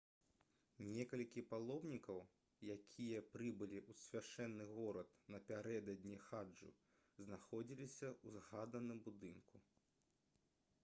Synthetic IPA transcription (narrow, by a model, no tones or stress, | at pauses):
nʲɛkɐlʲkʲipalˠɔbnʲikɐw | jakʲʰijɐpɾɨbɨlʲiʔusʲvʲaʂɛnːɨɣɔɾɐt̪nɐpʲaɾɛd̪ɐd̪ʲnʲixad͡ʐṵ | znaxɔd͡zʲilʲisʲɐuzɣad̪ɐnɨmbud̪ɨnku